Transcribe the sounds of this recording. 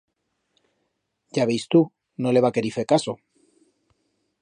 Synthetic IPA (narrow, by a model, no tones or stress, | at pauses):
ʝaβejst̪u | nole̞βake̞ɾife̞kaso